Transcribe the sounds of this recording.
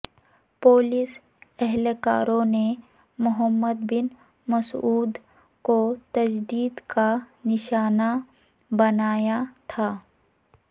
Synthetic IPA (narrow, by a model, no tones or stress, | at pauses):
poːlɪs | ɛɦlka̰ːɾõne | mʊɦəmːəd̪bɪn | mɐsuːd̪ | kot̪ɐd͡ʒd̪iːd̪kanɪʃaːna | bɐnaːjat̪ʰaː